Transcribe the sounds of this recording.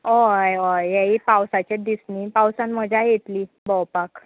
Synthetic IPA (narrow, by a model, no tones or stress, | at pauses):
oajʋajaɦipawsat͡ɕed̪isnipawsanm̤əd͡ʑʱajet̪li | bɔwpak